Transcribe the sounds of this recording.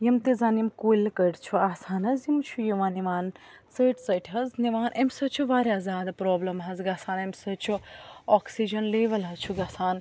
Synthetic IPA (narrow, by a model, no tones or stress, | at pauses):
jɐmt̪ezaːnjimkoːlkəɽt͡ʃʰuaːsaːnɐzjimt͡ʃʰujiʋaːniʋaːn | t͡səjʈʰt͡sɐʈʲʰɦɐzniʋaːnʔɐmsɐt͡ʃʰuʋaːɾʲaːzaːd̪pɾɔːblɐmɦɐzɡasaːnɐmsɐt͡ʃʰuɔksid͡ʒɐnleːʋɐlɦɐt͡ʃʰuɡɐsaːn